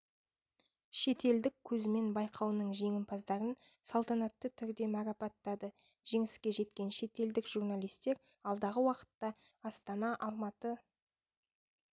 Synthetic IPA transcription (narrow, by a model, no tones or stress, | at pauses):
ʃe̞t̪e̞ld̪ɪkʲʰːɵzɪme̞nbɑjqʰɑwnəɴʒe̞ŋɪmpʰɑzd̪ɑɾənsɑlˠt̪ɑnɑt̪ːət̪ʰʏɾd̪e̞mɑɾɑpɑt̪ːɑd̪əʒ̥e̞ŋɪskʲe̞ʒe̞t̪kʲe̞nʃe̞t̪e̞ld̪ɪkʒ̥urnalʲijst̪e̞ɾ | ɑlˠd̪ɑʁəwɑqə̥t̪ːɑ | ɑst̪ɑnɑʔɑlˠmɑt̪ə